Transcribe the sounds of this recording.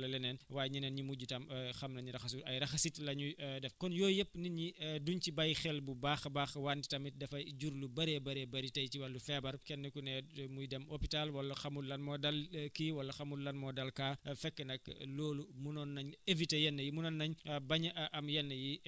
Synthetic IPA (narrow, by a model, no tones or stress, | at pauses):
lɐlɛnɛnwaːjɲɐnɛnɲiumuɟutɐmxɐmnɐɲɾɐxɐsuɐjɾɐxɐsitlɐɲudɛfkɔnjɔːjɛpːninɲiduɲcibɐjxɛlbubaːxbaːxwaːnti̥tɐmit̚dɐfɐjɟuɾlubɐɾɛbɐɾɛbɐɾitɐjciwɐlːufɛbɐrkɛnːəkunɛmujdɛmopitalwɐlːɐxɐmulɐnmɔdɐlkiwɐlːɐxɐmullɐnmɔdɐlkaːfɛkːənɐklɔːlumunɔnːɐɲevitejɛnːəjimunɔnːɐɲbɐɲɐʔɐʔɐmjɛnːəji